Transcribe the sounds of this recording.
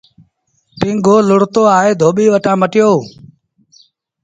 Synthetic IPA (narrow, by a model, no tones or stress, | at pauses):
pĩːŋɡʱoːlʊɽt̪oːaːɦeːd̪ʱoːɓiːʋəʈãːməʈɪjoː